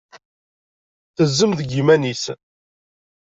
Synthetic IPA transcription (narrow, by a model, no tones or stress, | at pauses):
θəzːəmðəɡimænis